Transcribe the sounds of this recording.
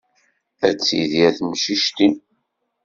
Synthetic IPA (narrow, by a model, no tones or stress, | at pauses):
æt͡sːḭðiæθmʃiʃt̪in